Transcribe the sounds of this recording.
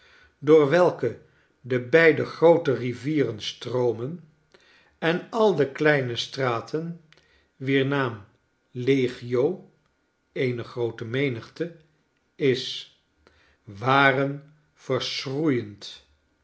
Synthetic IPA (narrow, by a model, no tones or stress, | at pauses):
dʊːɹʋɛlˠkə | dəbɛjdəχrowtəriviːrənstrowmən | ɛnɑlˠdəklɛjnəstraːtʰən | ʋiːɹnaːm | leχiow | ejnəχrowtəmejnəχtə | ɪs | ʋaːrən | v̥əɹsrujənt